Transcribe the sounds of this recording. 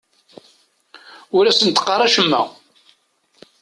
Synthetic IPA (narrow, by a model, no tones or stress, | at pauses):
ʊɾæsənt̪qːɑrˤɑʃəmːæ̰